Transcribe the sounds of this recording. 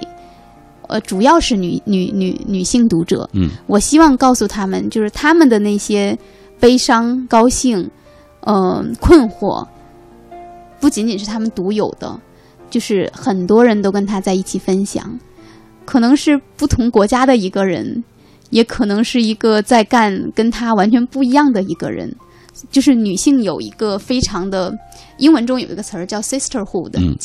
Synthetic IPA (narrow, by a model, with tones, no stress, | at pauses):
ə̰˧ʈ͡ʂu˨˩jɑ˥˧ʊʂɻ̩˥˩ny˨˩ny̰˨˧˥ny̰˨˧˥ny˨˩ɕi˥˩ŋt̪u˧˥ʈ͡ʂɤ̰˨˩˦wɔ˨˩ɕi˥wɑ˥˧ŋkɑ˥˩ʊsu˨˩t̪ʰa˥mə̰˨nt͡ɕjo˥˧ʊʂɻ̩˥˩t̪ʰa˥mə˨nd̪ə˩ne˥˩ɪɕjɛ˥ | pe˥ɪʂɑ˥ŋkɑ˥ʊɕi˥˩ŋ | ə˧kʰwə˥˧nxwɔ̰˥˩ | pu˥˩t͡ɕi˧˥ŋnt͡ɕi˨˩nʂ̬ɻ̩˥˩t̪ʰa˥mə˨nt̪u˧˥jo˨˩ʊd̪ə̰˦ | t͡ɕjo˥˧ʊʂɻ̩˥˩xə˨˩nt̪wɔ˥ɻə˧˥nt̪o˥ʊkə˥nt̪ʰa˥t͡sa˥˧ɪi˥˩t͡ɕʰi˨˩fə˥nɕjɑ̰˨˩˦ŋ | kʰɤ˨˩nɤ˧˥ŋʂɻ̩˥˧pu˥˩t̪ʰʊ˧˥ŋkwɔ˧˥t͡ɕja˥d̪ə˨i˧˥ɡə˧ɻə̰˧˥n | jɛ˧˥kʰɤ˨˩nɤ˧˥ŋʂɻ̩˥˩i˧˥ɡə˧t͡sa˥˧ɪka˥˩nkə˥nt̪ʰa˥wa˧˥nt͡ɕʰɥɛ˧˥npu˥˩i˧˥jɑ˥˩ŋd̪ə˩i˧˥ɡə̰˧ɻə̰˧˥n | t͡ɕjo˥˧ʊʂɻ̩˥˩ny˨˩ɕi˥˩ŋjo˨˩ʊḭ˧˥ɡə˧fe˥ɪʈ͡ʂʰɑ˧˥ŋd̪ə˧i˥ŋwə˧˥nʈ͡ʂʊ˥ŋjo˨˩ʊi˧˥ɡə˧t͡sʰə˧˥t͡ɕjɑ˥˩ʊsi˥stʰə˥˩xu˥˩d̪ə